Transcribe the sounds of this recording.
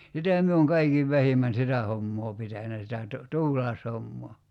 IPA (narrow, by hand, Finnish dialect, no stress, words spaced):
sitæ mie oŋ kɑikiʋ ʋæhimæn sitæ homːoː pitænæ sitæ tu tuːlɑeshomːoː